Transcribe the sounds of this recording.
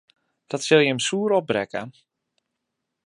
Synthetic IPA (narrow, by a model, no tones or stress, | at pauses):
d̥ɔtsɪlˠjəəmsuːəɾɔp̚brɛkə